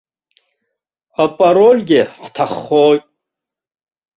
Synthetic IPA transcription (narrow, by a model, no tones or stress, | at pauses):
apʼaɾolʲɡʲɪqʷtʰaχːojtʼ